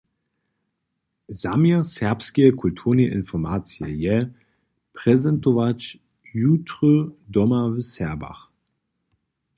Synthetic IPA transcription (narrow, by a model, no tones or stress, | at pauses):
zamiɐsɛɐpskekʰultʰuːʁneʔɪnfɔmaːt͡sjəjɛ | pʁ̥ɛzɛntovat͡ʃ | juːtʁødɔmavəsɛɐba̰χ